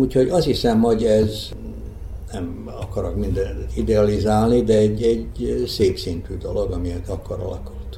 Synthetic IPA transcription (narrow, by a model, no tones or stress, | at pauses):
uːcho̞ɟɒshisɛmhoɟɛz | nɛm | ɒkɒɾokmind̪ɛnt̪t̪id̪ɛɒlizaːlnid̪ɛɛɟːɛɟseːpsint̪yd̪o̞lo̞ɡɒmijɛt̪ɒkɒɾɒ̰lɒkult̪